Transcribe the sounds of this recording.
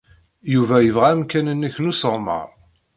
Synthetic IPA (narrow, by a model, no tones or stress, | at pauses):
juvæjəvʁæmkænənːæçnusəʁˤmə̰ɾˤ